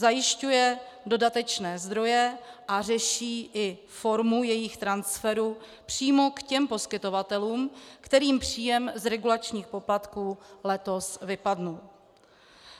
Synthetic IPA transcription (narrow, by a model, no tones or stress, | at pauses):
zajɪʃcujɛdo̞dat̪ɛt͡ʃnɛːzd̪ɾo̞jɛʔar̝ɛʃiːʔɪ | fo̞ɾmujɛjɪxt̪ɾansfɛɾu | pr̝̥iːmo̞kcɛmpo̞skɪt̪o̞vat̪ɛluːmkt̪ɛɾiːmpr̝̥iːjɛmzɾɛɡulat͡ʃɲiːxpo̞plat̪kuːlɛt̪o̞svɪpadnu